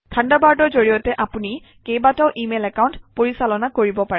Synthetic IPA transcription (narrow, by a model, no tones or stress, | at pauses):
tʰãndabaɹdɔɹzoɹijɔtɛʔapuni | kejbatɔʊʔimelɛkawntpoɹisalɔnakoɹibɔpaɹɛ